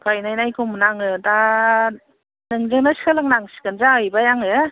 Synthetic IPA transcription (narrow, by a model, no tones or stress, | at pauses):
kʰajnajnajkʰumnaŋɯda | nɯŋzɯŋnasi̥kʰalɯŋnaŋsi̥kɯnzajbajaŋɯ